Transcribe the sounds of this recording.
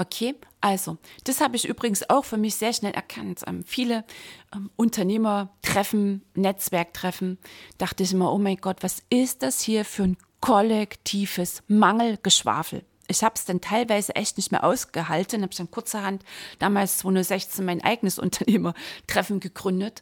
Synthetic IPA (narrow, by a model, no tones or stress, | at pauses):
ʔokʰeːʔalzod̥ashaːbəɪçʔy̰ːbʁɪɡŋ̩sa̰ʊxfyːɐmɪçz̥eːɐʃnɛlʔɛ̰ɐkʰantʔɛ̰ːmfiːləʔɛmʔʊntʰɐneːmɐtʁ̥ɛfn̩nɛt͡sv̥ɛɐk̚tʁ̥ɛfn̩d̥aχtəɪçʔɪmɐʔoːmaɪnɡɔtv̥asɪst̚d̥ashiːɐfyːɐn | kʰɔlɛktʰiːvəsmaŋl̩ɡ̥əʃv̥a̰ːfl̩ | ʔɪçhaːb̥əsd̥antʰaɪlvaɪzəʔɛçtnɪçtmḛːɐʔa̰ʊsɡ̥əɦaltn̩habɪçd̥ankʰʊɐt͡sɐhantd̥aːmaːlst͡sv̥oːnʊːz̥ɛçt͡senmaɪnʔa̰ɪɡənəsʔʊ̰ntʰɐneːmɐtʁ̥ɛfn̩ɡəɡ̥ʁʏndət